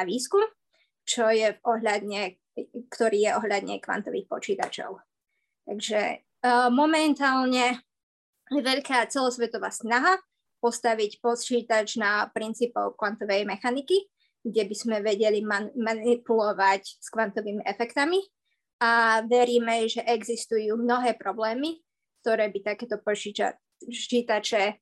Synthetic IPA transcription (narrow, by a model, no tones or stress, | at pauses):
aʋiːskum | t͡ʃɔjɛvɔɦʎad̪ɲɛ | kt̪ɔɾiːjɛʔɔɦʎad̪ɲɛ̰kʋa̰nt̪ɔʋḭːxpɔt͡ʃiːt̪a̰t͡ʃɔ̰ʊ | t̪a̰ɡʒɛ̰ | mɔmɛnt̪aːlɲɛ | jɛʋɛʎkaːt͡sɛlɔsʋɛt̪ɔʋa̰ːsnaɦa | pɔst̪aʋicpɔt͡ʃiːt̪at͡ʃnapɾint͡siːpɔ̰ʊkʋant̪ɔʋɛjmɛxaniki | ɡɟɛbiz̥mɛʋɛɟɛlimamanipulɔʋacskʋant̪ɔʋiːmiʔɛfɛkt̪ami | ʔaʋɛɾiːmɛʒɛʔɛɡzist̪ujuːmnɔɦɛːpɾɔblɛːmi | kt̪ɔɾɛːbit̪akɛːt̪ɔpt͡ʃia̰ | t͡ʃiːt̪at͡ʃɛ